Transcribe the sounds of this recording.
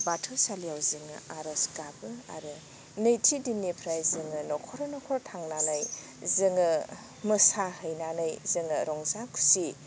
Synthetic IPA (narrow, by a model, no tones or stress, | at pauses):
batʰɯsalijawzɯŋɯ̰aɾɐsɡabɯa̰ɾɯ | nejtʰidinipʰɾajzɯŋɯnɔkʰɔɾɔnɔkʰɔɾɔtʰaŋnanɯj | zɯŋɯ | mɯsahɯjnanɯjzɯŋɯɾɔŋzakʰu̥si